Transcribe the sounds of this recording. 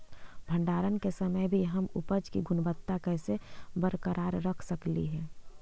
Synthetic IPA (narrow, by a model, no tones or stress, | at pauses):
bʱə̃ɳɖaːɾənkesəməjbʱiɦəmʊpəd͡ʒkiɡʊnbət̪ːakɛːsebəɾkəɾʔaːɾːəkʰsəklḭɦɛː